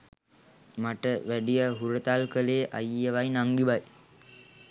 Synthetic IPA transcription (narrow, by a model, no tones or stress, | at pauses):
maʈəʋæɖijəɦuɾət̪alkəleːʔajijəʋajnaŋɡiʋaj